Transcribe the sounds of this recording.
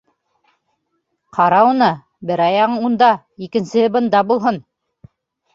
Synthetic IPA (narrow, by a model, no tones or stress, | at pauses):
qʰɑɾɑwnɤ | bɘɾɑjɑɴund̪ɑ | ikɘ̆nsɘɘbɤ̆nd̪ɑbulˠɦon